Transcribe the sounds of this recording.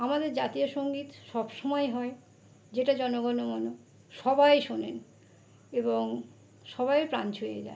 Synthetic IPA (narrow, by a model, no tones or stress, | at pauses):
amad̪eɾd͡ʑat̪iaʃoŋɡit̪ʃɔbʃɔmɔeɦɔe | d͡ʑeʈad͡ʑɔnoɡɔnomɔno | ʃɔbajʃonen | eboŋ | ʃɔbajpɾa̰nt͡ɕʰoed͡ʑa̰e